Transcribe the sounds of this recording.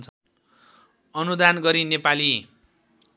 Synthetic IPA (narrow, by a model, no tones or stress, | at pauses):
nt͡sʰʌ | ʌnud̪anɡʌɾinepali